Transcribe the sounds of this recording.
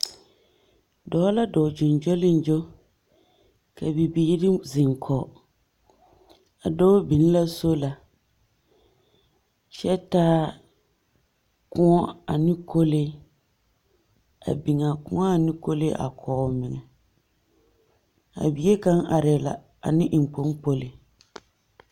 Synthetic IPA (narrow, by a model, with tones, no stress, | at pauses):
dɔː˨˦la˦dɔ˨d͡ʒʊ˨n˨d͡ʒo˦lɪ˦n˦d͡ʒo˦ | ka˨bi˨biː˦ɾi˦zɪ˨ŋkʰɔː˨ | a˨dɔː˦bi˨n˦la˦so˦la˨ | t͡ʃɛ˦taː˦ | kʊ̃˦ŋɔ˦a˨nɪ̃˦kʰo˦le˦ | a̰˨bi˨ŋa˨kʊ̰̃˦ŋɔ˦a˨nɪ̃˦ko˦le˦ʔa̰˨kʰɔː˨mɪ˨ŋɛ˨ | a̰˨bi˨˦e˦ka˦ŋʔa˨ɾɪ˨la̰˨ | a̰˨nɪ̃˦ʔɪ˨m˨po˨˦ŋpo˦lɪ˨